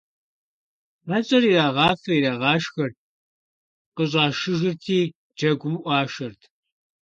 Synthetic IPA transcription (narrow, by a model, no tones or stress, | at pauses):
mɐt͡ʃʼɐriraːʁɑːfɐiɾaːʁɑːʃxɐr̚ | qəɕ̬ʼɑːʃɨʒɪrtʰiː | d͡ʒɐɡʷʊmʔʷɑːʃɐrtʰ